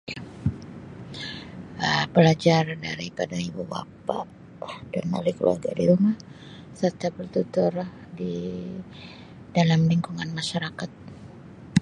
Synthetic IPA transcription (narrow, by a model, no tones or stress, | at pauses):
əpəlad͡ʒarda̰ɾipadaibuba̰pa̰ʔ | dano̰likəlṵa̰rɡa̰diɾumah | sərt̪apərt̪ut̪ʊr | di | dalamliŋkuŋanmaʃaɾakat̪̚